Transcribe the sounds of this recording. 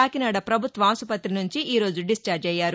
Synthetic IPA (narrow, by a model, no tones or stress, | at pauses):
aːkinaːɽɐpɾɐbʱut̪ʋɐaːsupɐt̪ːɾinuɲt͡ʃiʔiːɾo̞ːd͡ʒuɖist͡ʃaːɾd͡ʒɐjːaːɾu